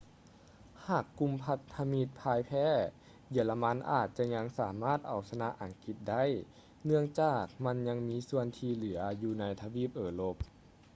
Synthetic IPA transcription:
haː˨˩kːu˧˥˨mpʰa˧t̪ʰːa˧mi˧˥t̪̚pʰaː˧˥jpʰɛː˧˥˨ | ji˧˩la˧ma˧˥nʔa̰ː˨˩t̪̚t͡ɕa˧ɲa˧˥ŋsaː˨˩˦maː˥˩t̪̚ʔa˨˩wsa˧na˧˥ʔa˨˩ŋki˧t̪̚da˥˨j | nɯ˧əŋt͡ɕaː˧˩k̚ma˧˥nɲa˧˥ŋmiː˧˥su˧ənt̪ʰiː˧lɯ˨˩˦ɐjuː˧na˧˥jt̪ʰa˧wiː˧˥˩p̚ʔɤː˨˧˩lo˧˩p̚

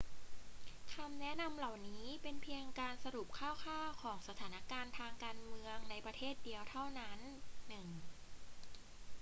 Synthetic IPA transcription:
kʰa˧mnɛ˦˥na˧mla˨˩wniː˦˥pe˧npʰi˧əŋkaː˧nsa˧ɾu˨˩p̚kʰaː˥˩wkʰaː˥˩wkʰɔː˩˦ŋsa˧t̪ʰaː˩˦na˦˥kaː˧nt̪ʰaː˧ŋkaː˧nmɯ˧əŋna˧jpɾa˧t̪ʰeː˥˩t̪̚di˧əwt̪ʰa˥˩wna˦˥nːɯ˨˩ŋ

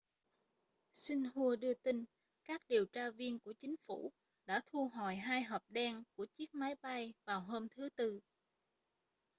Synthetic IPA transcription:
si˧ŋ̟hu˧əɗɨ˧ət̪i˧ŋ̟ | kaː˦˥k̚ɗi˨˩əwt͡ɕaː˧vi˧ənku˧˩ət͡ɕï˨˦ŋ̟fṵ˧˩ | ɗa̰ː˧˥t̪ʰu˧ɦɔ˧˩jɦaː˧jɦəː˨˩p̚ɗɛ˧nku˧˩ət͡ɕi˦˥ək̚ma˨˦jɓa˧jvaː˨˩wɦoː˧mt̪ʰɨ˨˦t̪ɨ˧

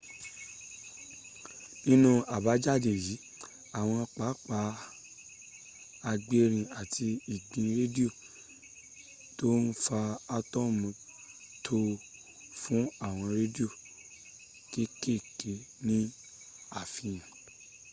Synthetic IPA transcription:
nĩ˦nũ˦a˨ba˨˦d͡ʒa˦˨de˨ji˨˦ | a˦˨w̃ɔ̃˧k͡pa˨˦k͡pa˨˦ | a˧ɡ͡be˦ɾ̃ĩ˧˨a˨ti˧i˨ɡ͡bĩ˧ɾe˦di˦o˦˨ | to˦n̩˦fa˧a˧tɔ˦˨mĩ˧ | tʰo˧ | fũ˦a˦˨w̃ɔ̃˧ɾe˦di˦o˦˨ | ke˦ke˦˨ke˨˦nĩ˦ | a˦˨fĩ˧j̃ã˨

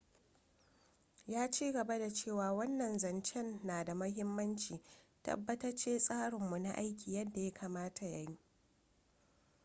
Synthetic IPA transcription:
jaː˦t͡ʃiː˦ɡɐ˨ba˦da˨t͡ʃeː˦˨waː˨wɐ˦nːɐ˨nzɐ˨nt͡ʃɛ˦nːaː˨da˨mɐ˦ɦɪ˦mːɐ˦nt͡ʃiː˨tɐ̰˦bːɐ˦tɐ˦rt͡ʃeː˦sʼaː˦ɽɪ˨mːu˨na̰˦ʔa˦jkʲʰiː˨jɐ˦dːa˨ja˦kʰaː˨maː˦tʰa˨ja˦ɲi˦

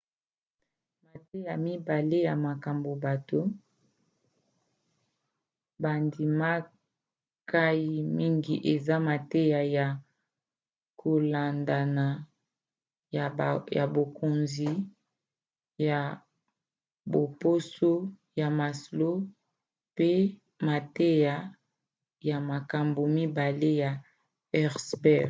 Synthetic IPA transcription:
ma˨te˦ja˨mi˦ba˨le˦ja˨ma˨ka˨mbo˨ba˨to˦ | ba˨ndi˨ma˦ | kʰa˦ji˦mi˦ŋɡi˦ʔe˨za˦ma˨te˦ja˨ja˨ | kʰo˨la˨nda˨na˨ | ja̰˨bo˨ko˨nzi˨ | ja˨ | bo˨po˦so˦ | ja˨ma˨slo˦ | pe˦ | ma˨te˦ja˨ | ja˨ma˨ka˨mbo˨mi˦ba˨le˦ja˨ | ɛ˦ʁsbɛ˦

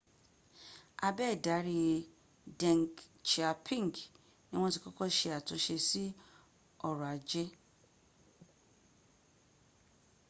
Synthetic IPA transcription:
a˧bɛ˦˨da˨˦ɾi˧ | dɛ̃˨ŋɡt͡ʃa˨pʰĩ˦ŋɡ | nĩ˦w̃ɔ̃˦ti˨kɔ˦kɔ˦˨ʃe˧a˨tũ˧ʃe˧si˦ | ɔ˦˨ɾɔ̃˨a˨d͡ʒe˦

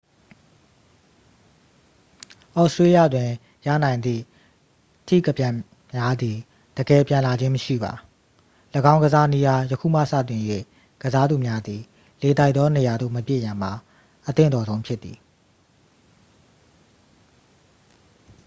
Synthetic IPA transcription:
ʔɔ˦˨ʔstɹe˦jä̰˦˨dwɪ̃˨ | ja̰˦˨nã˨ɪ̃nd̪ðḭ˦˨ | tʰḭ˦˨kə˨pjã˨ | mja˦d̪i˨ | d̥əɡɛ˨pjã˨la˨d͡ʑɪ̃˦məʃḭ˦˨ba̰˨ | ləɡã˦ʊ̃ŋɡəza˦ni˦ja˦jəkʰṵ˦˨m̥ä̰˦˨sä̰˦˨tɪ̃˨jwḛ˦˨ | ɡ̥əza˦d̪u˨mja˦d̪i˨ | le˨t̪a˦ɪʔt̪ɔ˦ne˨ja˨d̪o̰˦˨məpjḛ˦˨jã˨m̥a˨ | ʔət̪ɪ̰̃˦˨d̪ɔ˨zõ˦ʊ̃mpʰjɪ˦t̪ːi˨

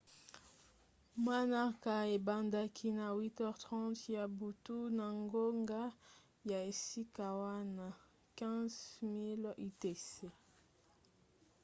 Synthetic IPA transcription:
mwa˦na˦ka˨e˨ba˨nda˦kʰi˦na˨wi˦tɛ˦ʁtʁɑ̃˦tja˨bu˨tu˦na˨ŋɡo˦ŋɡa˦ | ja˨e˨si˦ka˨wa˦na˦ | kɛ̃˦zmi˦li˦te˨se˨

